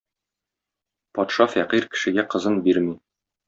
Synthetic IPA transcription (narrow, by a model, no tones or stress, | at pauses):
pɒt̪ʃɑfæqiɾkɘ̥̆ʃɘ̆ɡæqɤ̆zɤnbiɾmi